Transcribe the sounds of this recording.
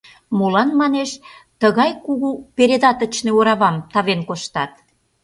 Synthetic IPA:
molɑnmɑneʃt̪əɣɑjkuɣupeɾʲed̪ɑt̪ət͡ɕneoɾɑβɑmt̪ɑβenkoʃt̪ɑt̪

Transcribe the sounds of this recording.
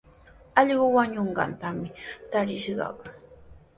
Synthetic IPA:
ɑʎɢʊwaɲoɴɢɑ̰nt̪amɪt̪aɾɪʃɢɑ̰

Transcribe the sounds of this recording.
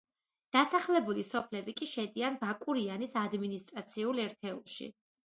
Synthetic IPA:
d̪̥asaχlɛbulisɔpʰlɛbikʼiʃɛd̪ianbakʼuɾianisad̪minist̪ʼɾat̪sʰiulɛɾt̪ʰɛṵlˠʃḭ

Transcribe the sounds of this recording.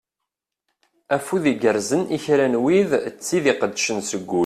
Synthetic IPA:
æfuðiɡəɾzəniçɾænwiðt͡sːiðiqəd̪ːʃənsəɡʷːu

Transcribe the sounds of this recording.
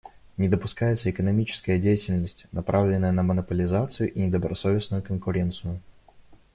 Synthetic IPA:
nʲɪd̪əpʊskajɪt̪səɪkənɐmʲit͡ɕɪ̥skəjədʲejɪtʲɪlʲnəsʲtʲnɐpɾavlʲɪnːəjənəmənəpəlʲɪzat̪sɨjʊʔinʲɪd̪əbɾɐso̞vʲɪsnʊjʊkənkʊɾʲe̞nt̪sɨjʊ

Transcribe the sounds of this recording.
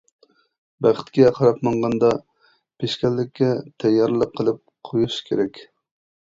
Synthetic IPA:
bæχɪ̥t̪kʲɛqʰɑɾɑpmɑɴʁɑnd̪ɑ | pʰeʃkʲɛlːɪkʲːɛt̪ʰɛjːɑɾlˠəqʰːəlˠɨp̚qʰojuʃkʲʰeɾɛkʲ

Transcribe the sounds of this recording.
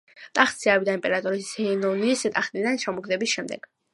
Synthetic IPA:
t̪ʼaχt̪sʰiabid̪aimpʼɛɾat̪ʼɔɾishɛnɔniːsɛt̪ʼaχnid̪anʃamɔɡd̪ɛbisʃɛmd̪ɛ̰ɡ̥

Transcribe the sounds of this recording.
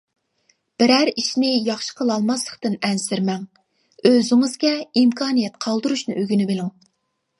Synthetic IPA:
b̥ɪɾæɾiʃnɪjɑχʃə̥qʰəlˠɑlˠmɑslˠəχt̪ɨnɛnsɪɾmɛŋ | øzɪŋɨzɡʲɛimkʰɑːnijɛt̪qʰɑlˠd̪ɨɾuʃnɨʔøɡʲynɪbelɪŋ

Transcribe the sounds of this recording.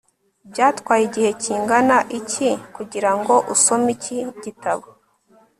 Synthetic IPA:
bjaːtkwaːjiɟihe̞ciːŋɡanaʔicikuɟiɾaŋɡo̞ʔuso̞miciɟitaβo

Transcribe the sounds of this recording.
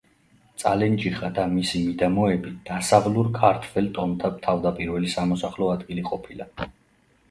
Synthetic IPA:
t̪sʼalɛnd͡ʒiχad̪amisimid̪amɔɛbid̪̥asavluɾkʰaɾt̪ʰvɛlt̪ʼɔnt̪ʰapt̪ʰavd̪apʼiɾvɛlisamɔsaχlɔad̪ɡiliqʼɔpʰila

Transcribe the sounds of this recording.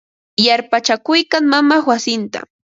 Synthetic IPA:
jaɾpat͡ʃakʊjkaŋmamawasɪnt̪a̰

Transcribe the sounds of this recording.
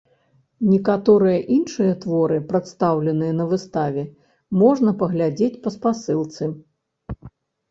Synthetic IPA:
nʲɛkat̪ɔɾɨjɐʔinʂɨjɐt̪vɔɾɨpɾɐt̪st̪awlʲɛnɨjɐnɐvɨst̪avʲɛ | mɔʐnɐpɐɣlʲad͡zʲet͡sʲpɐspasɨlˠt̪sɨ

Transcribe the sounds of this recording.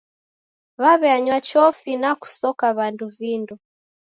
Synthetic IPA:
βaβɛaɲwat͡ʃɔfinaku̥sɔkaβanduvindɔ

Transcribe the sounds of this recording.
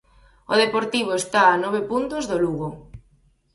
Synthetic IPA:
oðepoɾt̪iβ̞oest̪aːnɔβ̞epunt̪ozðoluɣo

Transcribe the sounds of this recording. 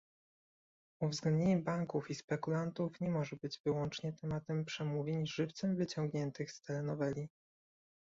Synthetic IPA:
uvzɡlɛnd̪ɲeɲɛbaŋkufispɛkulant̪ufɲɛmɔʐɛbɘd͡ʑvɘwɔnt͡ʂɲɛt̪ɛmat̪ɛmpʂɛmuvʲjeɲʐɘft̪sɛmvɘt͡ɕɔŋɡɲɛnt̪ɘxst̪ɛɾɛnɔvɛlʲi

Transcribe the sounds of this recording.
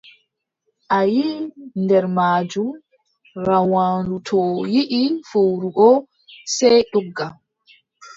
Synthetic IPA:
ʔajiːndɛɾmaːd͡ʒum | ɾawaːndutʰɔjiʔifowɾuʔɔ | sɛjɗɔɡːa

